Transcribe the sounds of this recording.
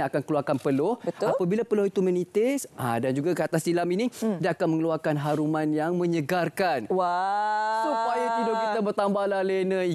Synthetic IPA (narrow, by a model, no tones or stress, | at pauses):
akankəluarkanpəlʊhbəapabilapəlʊhit̪umənĩt̪ɪsadand͡ʒuɡakəat̪asilaminĩdakanmə̃ŋəluarkanɦaɾumanjaŋmə̃ɲəɡarkanwasupajat̪udokit̪abərt̪ambahlahlenə